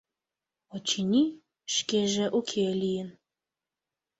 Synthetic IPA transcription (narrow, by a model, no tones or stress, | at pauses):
ot͡ɕinʲi | ʃkʲeʒeʔukʲʰelʲijən